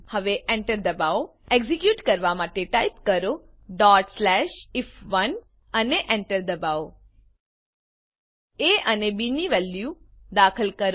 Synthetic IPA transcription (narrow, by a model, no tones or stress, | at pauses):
həʋeʔɛ̃ɳʈəɾd̪əbao | eɡzikjuʈkəɾʋamaʈeʈaipkəɾo | ɖɔʈslɛʃɪfʋən | əneʔɛ̃ɳʈəɾd̪əbao | eənebiniʋɛljud̪akʰəlkəɾ